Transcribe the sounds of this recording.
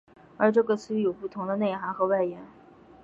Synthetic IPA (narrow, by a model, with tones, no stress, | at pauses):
ə˞˧˥ʈ͡ʂɤ˥˩ɡə˩sɹ̩˥jo˨˩ʊpu˥˩t̪ʰʊ˧˥ŋd̪ə˧ne˥˩ɪxa˧˥ŋxɤ˧˥wa˥˩ɪjɛ˧˥n